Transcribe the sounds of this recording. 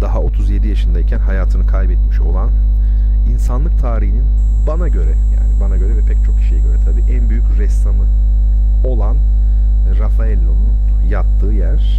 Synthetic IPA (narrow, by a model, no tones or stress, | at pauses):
d̪aɦao̞t̪ʰuzje̞d̪ijaʃɯnd̪aicʰænɦajaːt̪ʰɯnɯkʰajbɛt̪miʃo̞lˠan | insanlˠɯk̚t̪ʰaːɾihinin | banaɟø̞ɾɛja̰ːnibanaɟø̞ɾɛvɛpʰɛc̚t͡ʃʰo̞kʰi̥ʃijɛɟøɾɛt̪ʰabiːʔænbyjycɾɛst̪amɯ | o̞lˠan | ɾafaɛlʲːonun | jap̚t̪ʰːɯːjæɾ̥